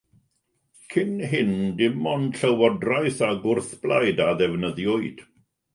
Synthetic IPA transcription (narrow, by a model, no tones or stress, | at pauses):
kʰɪnɦɪndɪmɔnɬəwɔdrajθaɡʊrθb̥lajdaðɛvnəðjɔɨd̥